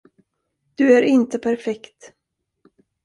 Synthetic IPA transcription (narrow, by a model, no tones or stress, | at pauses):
d̪̥ɵæɾɪnt̪əpʰæɾfɛkt̪